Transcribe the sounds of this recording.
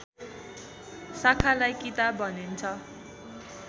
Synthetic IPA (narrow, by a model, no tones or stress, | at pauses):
sakʰalajkit̪abʱʌnint͡sʰʌ